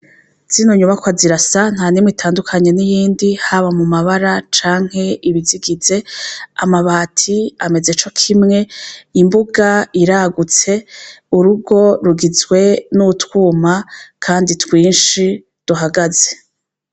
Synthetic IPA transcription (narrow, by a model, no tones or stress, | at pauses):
z̥inoɲuβakwaziɾasan̥haːnimwitʰaːndukʰaɲe̞nijiːndihaβamumaβaɾat͡ʃaːŋ̥he̞ʔiβiziɡize̞amaβaːtʰiame̞zet͡ʃo̞kʰimŋe̞imbuɡaiɾaːɡut͡se̞uɾuɡo̞ɾuɡizɡwe̞nutwuːmakʰaːnditwiːnʃi | d̥uɦaɡaze̞